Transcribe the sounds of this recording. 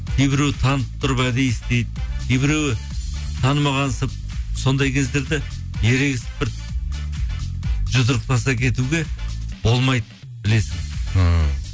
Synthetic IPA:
kʲʰejbɪɾewɪt̪ʰɑnəp̚t̪ʰʊɾəpæd̪e̞jst̪ejd̪ɪkʲʰejbɪɾewɪ | t̪ʰɑnəmɑʁɑnsəp̚ | so̞nd̪ɑjkʲʰe̞zd̪e̞ɾd̪ɪje̞ɾe̞ɡʲɪsɪ̥bɪɾ | ʒʊzəɾəq̚t̪ɑsɑkʲʰe̞t̪uɡʲe̞bo̞lˠmɑjd̪ə | bɪle̞sɪŋ

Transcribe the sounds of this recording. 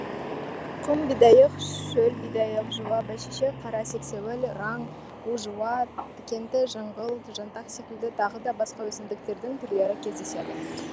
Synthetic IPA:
qʰʊmbijd̪ɑjəqʃɵlbijd̪ɑjəqʒuwɑbæʃeʃeqʰɑɾɑse̞kse̞wɪlɾɑɴ | uʒuwɑt̪ʰɪ̥kʲe̞nt̪ɪʒɑɴʁəlˠt̪ʒɑnt̪ɑqse̞kʲɪld̪ɪt̪ʰɑʁəd̪ɑbɑsqɑwɵsɪmd̪ɪk̚t̪e̞ɾd̪ɪŋt̪ʰʏɾleɾɪkʲʰe̞zd̪e̞se̞d̪ɪ

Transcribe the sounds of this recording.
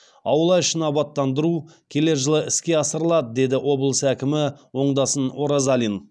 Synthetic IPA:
ɑwəlˠɑjəʃənɑbɑt̪ːɑnd̪əɾukʲʰe̞le̞ɾʒəlˠəʔɪskʲe̞ɑsəɾəlˠɑd̪əd̪e̞d̪ɪʔo̞bəlˠsækʲɪmɪwo̞ɴd̪ɑsəno̞ɾazalʲin

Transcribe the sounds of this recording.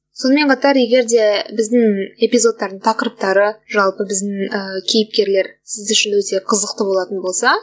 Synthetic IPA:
so̞nəme̞ɴqʰɑt̪ɑɾje̞ɡʲe̞ɾd̪e̞bɪzd̪ɪŋe̞pijzo̞t̪ːɑɾd̪əɴt̪ʰɑqəɾəp̚t̪ɑɾəʒɑlˠpəbɪzd̪ɪŋəkʲʰejɪp̚kʲe̞ɾle̞ɾsɪzʏʃɪnwɵt̪e̞qʰəzəqt̪əbo̞lˠɑt̪ənbo̞lˠsɑ

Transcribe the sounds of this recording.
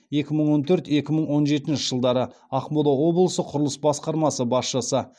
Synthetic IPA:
je̞kʲɪməɴwo̞nt̪ʰɵɾt̪e̞kʲɪməɴwo̞nʒe̞t̪ɪnʃɪʒəlˠd̪ɑɾə | ɑqmod̪ɑwo̞blˠəsəqʰʊɾlˠəsbɑsqɑɾmɑsəbɑsʃəsə

